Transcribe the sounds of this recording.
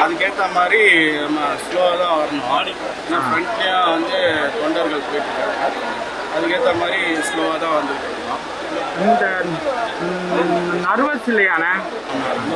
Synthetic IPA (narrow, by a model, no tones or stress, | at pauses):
ɐðɯkːeːt̪ːɐmaːd̪ɾimasloːaːt̪ãːʋɐɾɐnʊ̃ | eːnːaːfɾɐɳt͡ʃɪjãːʋɐnd̪ɯt̪ɔɳɖɐɾɣɐɭpoːjɪʈːɾɯkːaːɾɐaː | ɐðɯkːeːt̪ːɐmaːd̪ɾisloːaːt̪ãːʋɐnd̪ɯɾɯkːɐɽɐnãː | ɪnd̪ɐ | nɐɾʋɐt̪ːɪlːɐjaːnɐː | mam